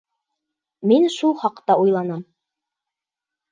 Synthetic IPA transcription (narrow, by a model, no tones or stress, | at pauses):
minʃulˠχɑqt̪ɑujlˠɑnɑm